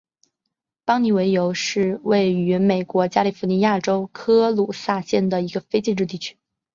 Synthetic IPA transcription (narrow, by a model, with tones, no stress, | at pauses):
pɑ˥ŋni˧˨˩we˧˥ɪjo˧˥ʊʂɻ̩˥˧we˥˩ɪy˧˥me˨˩ɪkwɔ˧˥t͡ɕja˥li˨˩fu˧˥ni˧˥ja˥˩ʈ͡ʂo˥ʊkʰɤ˥lu˨˩sa˥˧ɕjɛ˥˩nd̪ə˩i˧˥ɡə˧fe˥ɪt͡ɕi˥˧nʈ͡ʂɻ̩˥˧t̪̬i˥˩t͡ɕʰy̥˥